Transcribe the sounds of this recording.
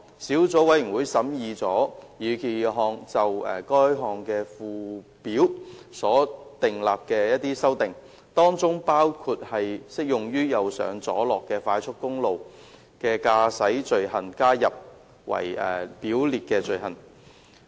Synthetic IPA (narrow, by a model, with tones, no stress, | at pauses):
siː˨˥wt͡sɔː˨˥wɐ˨˥jɥy˨˩ŋwuː˨˧jsɐ˨˥mjiː˧t͡sɔː˨˥jyː˨˩kʰiː˨˩ɦɔː˧ŋt͡sɐ˨wɛ̰˨˩kɔː˥jɦɔː˨ŋkɛː˧fuː˨˧ | piː˨˥wsɔː˨˥t̪ɪ˨ŋlaː˨p̚kɛː˧jɐ˥t̚t̪iː˥sɐ˥wt̪ɪ˨ŋ | t̪ɔː˥ŋt͡sʊ˥ŋpaː˥wkʰu˧t̚hɐ˨jsɪ˥k̚jʊ˨ŋjyː˥jɐ˨wsœ̰ː˨ŋt͡sɔ̰ː˨˥lɔː˨kːɛː˧faː˨˥jt͡ʃʰʊ˥t̚kʊ˥ŋlo˨w | kɛː˧kaː˧sɐ˨˥jt͡sɵ˨ɥhɐ˨nkaː˥jɐ˨p̚ | wɐ̰˨˩jɛ̰ː˨˩piː˨˥wliː˨t̚kɛː˧t͡sɵ˨ɥɦɐ˨˩n